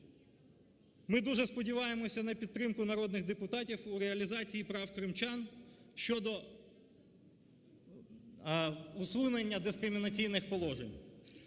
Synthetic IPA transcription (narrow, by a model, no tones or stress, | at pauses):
mɪd̪uʒɛspɔdʲiʋɑjemɔsʲɐnɐpʲidt̪̚t̪ɾɪmkʊnɐɾɔd̪̚nɪɣd̪epʊt̪ɑtʲiwuɾeɐlʲizɑt͡sʲijipɾɑwkɾɪmt͡ʃɑnʃt͡ʃɔd̪ɔ | usˠunenʲːɐd̪ɪskɾɪmʲinɐt͡sʲijnɪxpɔlˠɔʒenʲ